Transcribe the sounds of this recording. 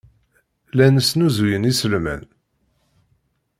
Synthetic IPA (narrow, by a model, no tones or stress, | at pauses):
lænəsnuzujənisəlmæ̰n